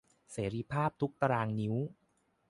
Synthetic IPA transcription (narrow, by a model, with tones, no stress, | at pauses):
seː˩˦ɾiː˧pʰaː˥˩p̚t̪ʰu˦˥k̚t̪a˧ɾaː˧ŋni˦˥w